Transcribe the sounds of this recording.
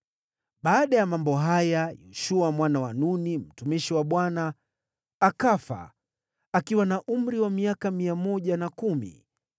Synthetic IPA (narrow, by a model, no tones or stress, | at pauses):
ɓaːɗajamambɔɦajajɔʃuamwanawanunim̩tumiʃiwaɓwanaː | kafa̰ | akiwanaʔum̩ɾiwamiakamiamɔʄanakumḭ